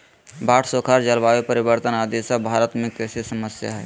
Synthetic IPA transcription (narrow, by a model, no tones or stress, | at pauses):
baːʈʰsoːkʰaːɾd͡ʒəlbaepəɾibəɾt̪ənaːd̪esabʱaːɾət̪mẽkɛsesəməsja̰ɦɛː